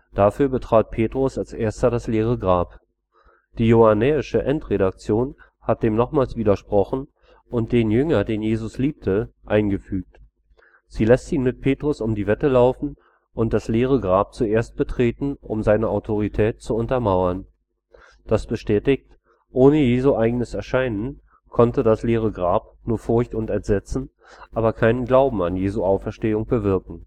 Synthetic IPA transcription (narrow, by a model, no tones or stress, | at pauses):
d̥afyːɐbətʁ̥aːt̚pʰeːtʁ̥ʊsalsʔeːɐstɐdasleːʁ̞əɡʁaːp | d̥iːjoanɛːɪʃəʔɛntʁeɾak̚t͡sjoːn | hat̚d̥eːmnɔχmaːlsv̥iːdɐʃpʁ̥ɔχn̩ | ʔʊnt̚d̥eːnjʏŋɐdeːnjeːzʊsliːp̚tʰəʔaɪnɡəfyːk̚t | z̥iːlɛstiːnmɪt̚pʰeːtʁ̥ʊsʊmdiːvɛtəlaʊfn̩ | ʔʊnt̚d̥asleːʁ̞əɡʁaːp̚t͡suʔeːɐst̚b̥ətʁ̥eːtn̩ʔʊ̰mzaɪnəʔaʊtʰoʁ̞itʰɛːtt͡suʊntɐmaʊɐn | d̥asb̥əʃtɛːtɪçt | ʔoːnəjeːzuʔaɪɡənəsɛɐʃaɪnən | kʰɔntədasleːʁ̞əɡʁaːp̚ | nuːɐfʊɐçtʊntɛntz̥ɛt͡sn̩ | ʔaːbɐkʰaɪnənɡlaʊbm̩anjeːzuʔaʊfɛɐʃteːʊŋb̥əvɪɐkŋ̩